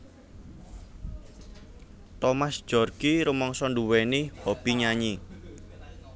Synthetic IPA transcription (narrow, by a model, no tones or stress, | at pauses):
t̪ɔmasd̥ʒ̥ɔ̤rɡ̥iɾumɔŋsɔnduwenihob̥iɲaɲi